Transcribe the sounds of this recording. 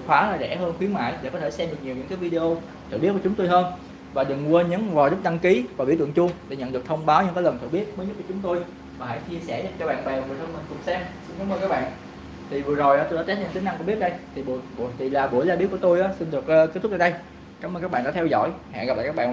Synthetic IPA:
hʰwaː˨˦˨zɛ̰˧˩həː˧nxwi˨˦ənma̰ː˧˨jɗe˧˩kɔ˨˦t̪ʰsɛ˧mɗɨ˨˩k̚ɲi˨˩əɲɨ˧˥ŋkaː˨˦jvi˧e˧ʔo˧ | t̪ʰɨ̰˧˨ɓi˦˥t̚ku˧˩t͡ɕŋ͡mt̪o˧jɦəː˧n | vaː˨˩ɗɨ˨˩ŋu˧ə˧ɲɨ˨˦nvaː˨˩zə˦˥t̚ɗa˧ŋki˨˦vaː˨˩vi˧˥t̪ɨ̰˧˨ŋt͡ɕʊ˧ŋɗe˧˩ɲə̰˧˨nɗɨ˨˩ək̚t̪ʰə˧wŋ͡mɓaː˨˦wɲɨ̰˧˥ŋkaː˨˦lə˨˩nt̪ʰɨ˧˨˩ɓi˦˥ət̚mə˨˦ɲə˦˥t̚ku˧˩t͡ɕʊ˨˦ŋ͡mt̪o˧j | vaː˨˩ɦə̰˧˩jt͡ɕi˧əsɛ˧˩ɲa˨˩p̚t͡ɕɔ˧ɓa̰ː˧˨nɓɛ˨˩wŋɨ˨˩t̪ʰə˧mï˨˩ŋ̟kʊ˨˩ŋ͡msɛ˧msi˧nka˨˦mʔəː˧kaː˦˥ɓa̰ː˧˨n | t̪ʰi˨˩vɨ˨˩əzo˨˩jʔaː˨˦t̪o˧jɗaː˧˥t͡ɕɛ˦˥t̚ʰɛ˧˩tï˨˦ŋ̟a˧ŋkṵ˧˩˦ɓt̚ɗə˧jt̪ʰi˨˩ɓu˧˩ɓu˧˩t̪ʰi˨˩laː˨˩ɓu˧˩əjzaː˧ɓi˦˥ku˧˩ət̪o˧jʔaː˨˦si˧nɗɨ˨˩ək̚ːkːt̪̚ʰzaː˧ɗə˧j | kaː˨˦mʔə˧kaː˦˥ɓaː˧˨ɗaː˧t̪ʰɛ˧wzɔ̰˧˨jha̰˧˨ɣa˨˩pla̰ː˧˨˩kːaː˦˥ɓ̰ːn

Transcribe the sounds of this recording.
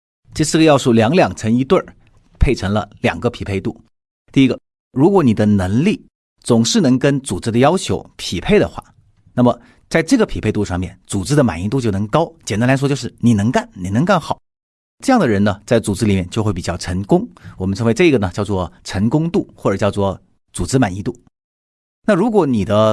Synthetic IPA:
ʈ͡ʂə˥˧sɹ̩˥˩ɡə˧jɑ˥˧ʊʂu˥˩ljɑ˧˥ŋljɑ˨˩ŋʈ͡ʂʰə˧˥ŋi˧˥t̪wə˥˩ | pʰe˥˩ɪʈ͡ʂʰɤ˧˥ŋlə̰˧ljɑ̰˨˩ŋɡə˦pʰi˨˩pʰe˥˧ɪt̪u˥˩ | t̪i˥˧i˥ɡə˧ | ɻu˧˥kwɔ˧˥ni˨˩d̪ə˦nɤ˧˥ŋli˥˩ | t͡sʊ˨˩ŋʂɻ̩˥˩nɤ˧˥ŋkə˥nt͡su˨˩t͡sɹ̩˥d̪ə˧jɑ˥ʊt͡ɕʰjo˧˥ʊpʰi˨˩pʰe˥˩ɪd̪ə̰˩xwa̰˥˩ | na˥˩mə˩ | t͡sa˥˧ɪʈ͡ʂɤ˥˩ɡə˩pʰi˨˩pʰe˥˧ɪt̪u˥˧ʂɑ˥˧ŋmjɛ̰˥˩nt͡su˨˩t͡sɹ̩˥d̪ə˨ma˨˩ni˧˥t̪u˥˧t͡ɕjo˥˩ʊnɤ˧˥ŋkɑ˥ʊt͡ɕjɛ˨˩nt̪a˥la˧˥ɪʂɔ˥jo˥˧ʂɻ̩˥˩ni˨˩nɤ˧˥ŋka˥˩nni˨˩nə˧˥ŋka˥˩nxɑ˨˩˦ | ʈ͡ʂɤ˥˧jɑ˥˩ŋd̪ə˩ɻə˧˥nə˧t͡sa˥˩ɪt͡su˨˩t͡sɹ̩˥li˨˩mjɛ˥˧nt͡ɕjo˥˧xe˥˩ɪp̬i˨˩t͡ɕjɑ˥˩ʊʈ͡ʂʰə˧˥ŋkʊ˥ŋwɔ˨˩mə˦nʈ͡ʂʰə˧˥ŋwe˧˥ɪʈ͡ʂɤ˥˩i˥ɡə˩nə˩t͡ɕjɑ˥˧ʊt͡swɔ˥˩ʈ͡ʂʰə˧˥ŋkʊ˥ŋt̪u˥˩xwɔ˥˩ʈ͡ʂɤ˨˩t͡ɕjɑ˥˧ʊt͡swɔ˥˩ | t͡su˨˩t͡sɹ̩˥ma˨˩ni˧˥t̪u˥˩ | na˥˩ɻu˧˥kwɔ˧˥ni˨˩d̪ə˦

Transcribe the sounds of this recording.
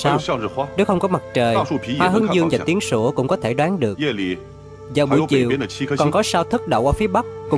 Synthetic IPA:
saː˧w̩˧˩˧ne˨˦wxə˧wŋ͡mkɔ˨˦ma˨˩k̚t͡ɕəː˨˩ju˧˩pʰi˧˦waː˧ɦɨ˨˦əŋzɨ˧əŋvaː˨˩t̪i˨˦ənsu˧˩kʊ̰˧˥ŋ͡mkɔ˨˦t̪ʰe˧˩ɗwaː˨˦nɗɨ˨˩əkɛ˥˩li˨˩ | zaː˨˩wɓu˧˩t͡ɕḭ˧˨wnə˨˥˧kɔ˨˩nkɔ˨˦saː˧wt̪ʰɨ˦˥k̚ɗə̰˧˨wʔaː˧˩fi˨˦əɓa˦˥k̚kʊ̰˧˥

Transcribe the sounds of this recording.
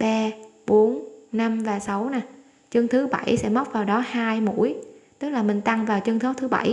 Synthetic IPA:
ɓaː˧ɓo˨˦ənna˧mvaː˨˩sa˨˦wna˨˩ | t͡ɕɨ˧ŋt̪ʰɨ˨˦ɓa̰˧˩jsɛ̰˧˥mə˦˥k͡p̚vaː˨˩wɗɔ˨˦haː˧jmṵ˧˥jt̪ɨ˦˥k̚laː˨˩mï˨˩ŋ̟t̪a˧ŋvaː˨˩wt͡ɕɨ˧ŋt̪ʰo˨˦t̪ʰɨ˨˦ɓa̰˧˩j

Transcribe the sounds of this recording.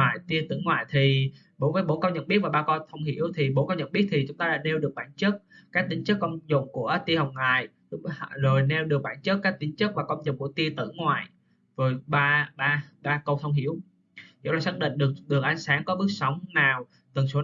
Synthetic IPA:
aː˨jt̪i˧ət̪ɨ̰˧˥ŋwaː˨jt̪ʰi˨˩ | ɓo˨˦jvəː˨˦jɓo˨˧˦nkə˧wɲə̰˧˩nɓi˦˥ət̚vaː˨˩ɓaː˧kɔ˧t̪ʰə˧wŋ͡mɦḭ˧˥əwt̪ʰi˨˩ɓo˨˦kə˧wɲə˧˨nɓi˦˥ət̚t̪ʰi˨˩t͡ɕʊ˨˦ŋ͡mt̪aː˧ɗa̰ː˧˥ne˧wɗɨ˨˩ək̚ɓaː˧˩nt͡ɕə˦˥t̚kaː˦˥k̚t̪ï˨˦ŋ̟t͡ɕə˦˥kːɔ˧ŋ͡mzʊ̰˧˩˨ŋ͡mku˧˩ət̪i˧hə˨˩w̚ŋaː˨j | zo˨˩jnɛ˧wɗɨ˨˩ək̚ɓaː˧˩nt͡ɕə˦˥t̚kːaː˦˥k̚t̪ï˨˦ŋ̟t͡ɕə˦˥k̚vaː˨˩kə˧wmzʊ̰˨˩˨ŋ͡mku˧˩ət̪i˧ət̪ɨ̰˧˥ŋwa̰ː˨j | zo˨˩jɓaː˧ɓaː˧ɓaː˧kə˧wt̪ʰə˧wŋ͡mɦi˧˥əw | zo̰˧˥ŋ͡mlaː˨˩saː˦˥k̚ɗḭ˧˨ŋ̟ɗɨ˨˩ək̚ɗɨ˨˩k̚ʔa˧jŋ̟saː˨˦ŋkɔ˨˦ɓɨ˦˥ək̚sə˨˦wŋ͡mnaː˨˩w | t̪ə˨˩so˨˦

